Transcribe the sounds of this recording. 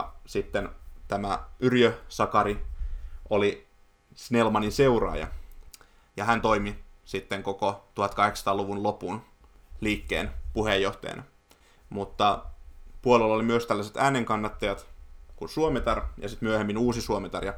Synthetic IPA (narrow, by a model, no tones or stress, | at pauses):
sit̪ːent̪æmæyrjøsɑkɑɾiʔoli | snelmɑninseurɑ̰ːjɑ̰ | jɑɦænt̪o̞imisit̪ːeŋkokot̪uhɑt̪kɑheksɑ̥t̪ɑːluʋunlopun | liːkːeːnpuhejːoht̪ɑ̰ɑ̰nɑ̰ | mut̪ːɑpuolelːɑolimyøst̪ælːæset̪æːneŋkɑnːɑt̪ːɑjɑt̪kunsuomet̪ɑrjɑ̰sit̪myøhemːinuːsisuomet̪ɑrjɑ